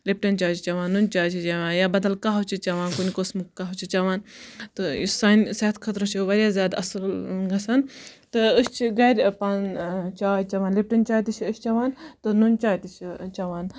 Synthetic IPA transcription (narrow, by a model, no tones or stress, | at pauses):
lip̚ʈɐnt͡ʃaːt͡ʃʰt͡ʃɐʋaːnːunt͡ʃaːt͡ʃʰit͡ʃɐʋãːnjabɐd̪ɐlkaːɦɐt͡ʃʰit͡ʃɐʋaːnkunikosmɨkːaɦut͡ʃʰit͡ʃɐʋaːnt̪ɨḭsaːnsaːt̪kʰɐt̪ɾɐt͡ʃʰuʋɐɾʲjaːzʲjaːd̪ɐ̰sɐlɡɐsɐnt̪ɨɨst͡ʃʰiɡɐɾʲpant͡ʃaːt͡ʃɐʋaːnlip̚ʈɐnʲt͡ʃaːjt̪it͡ʃʰɨst͡ʃɐʋaːnt̪ɨnunʲt͡ʃaːjt̪it͡ʃʰt͡ʃɐʋaːn